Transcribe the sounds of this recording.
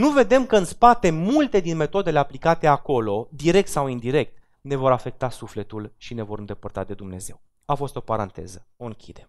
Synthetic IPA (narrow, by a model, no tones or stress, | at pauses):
nuve̞d̪e̞mkəɨnspat̪e̞mult̪e̞d̪inme̞t̪o̞d̪e̞le̞aplikat̪e̞ako̞lo̞d̪iɾe̞k̚t̪sawind̪iɾe̞k̚t̪ | ne̞vo̞ɾafe̞k̚t̪asufle̞t̪ulʃine̞vo̞ɾɨnd̪e̞pərt̪a̰d̪e̞d̪umne̞ze̞w | afo̞st̪o̞paɾant̪e̞̰zəo̞ɨŋkʲid̪e̞